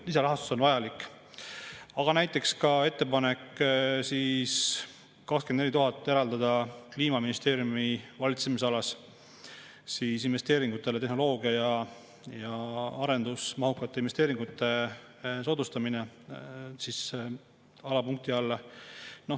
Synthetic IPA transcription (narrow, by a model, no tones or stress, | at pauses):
lis̬ɑɾɑɦɑst̪u̥so̞nvɑjɑlikːˑ | ɑɡ̥ɑnæjt̪ːˑe̞kskɑe̞t̪ːe̞pɑne̞kːsiːs | kɑkskend̪nelʲit̪uɦɑt̪ːˑe̞ɾɑld̪ɑd̪̥ɑkliːmɑminist̪eːɾjumivɑlʲit̪se̞mis̬eɑlɑs | siːsinve̞st̪e̞ːɾiŋɡ̥ut̪ːˑe̞le̞t̪e̞ɦno̞lo̞ːɡiɑjɑ | jɑɑɾe̞nd̪̥usmɑɦukːˑɑt̪ːˑe̞invest̪e̞ːɾiŋɡut̪ːˑe̞so̞t̪ust̪ɑmine | sis | ɑlɑpuŋk̚t̪iɑlː | no̞